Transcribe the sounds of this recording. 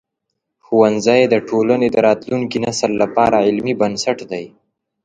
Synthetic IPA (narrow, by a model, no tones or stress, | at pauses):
xuwanzajed̪əʈʰolaned̪əɾɑt̪luŋkinasəlːapɑɾaʕɪlmibansaʈd̪aj